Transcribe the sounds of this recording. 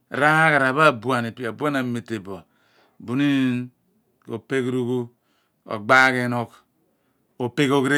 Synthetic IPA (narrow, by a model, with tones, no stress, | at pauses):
ɾa˦ha˦ka˨ɾa˨βa˦˨bu˨a˨ne˨ta˨bu˦a˦na˨me˨te˨bo˨a˨ | bu˨˦ni˦ | ko˨pe˦kɾu˦ku˦ | o̰˨ɡ͡ba˦ke˦no˦k | o˨pe˦ko˦kɾe˦